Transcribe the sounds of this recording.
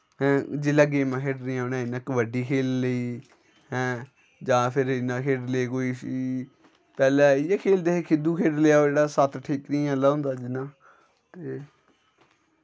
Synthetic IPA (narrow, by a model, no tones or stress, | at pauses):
ɦɛ̃ːd͡ʒeːləɡeːmɛ̃ːkʰeːɖɾiãːɦonãːɪnəkʋəɖiːkʰeːlːəiː | ɦɛ̃ː | d͡ʒãːpʰɪɾɪnãːkʰeːɖleːkoːiː | pɛːlɛːɪjeːkʰeːld̪eːekʰɪd̪uːkʰeːɖlejaːoːeːɽaːsət̪ʰʈʰiːknĩːãːlaːɦʊ̃nd̪aːd͡ʒɪnãː | t̪eː